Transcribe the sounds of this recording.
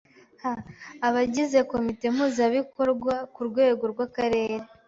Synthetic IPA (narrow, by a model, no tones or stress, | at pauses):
haːβaɟize̞ko̞mite̞m̥huːzaβiko̞ɾɡwakuɾɡwe̞ːɡo̞ɾɡwakaɾe̞ːɾe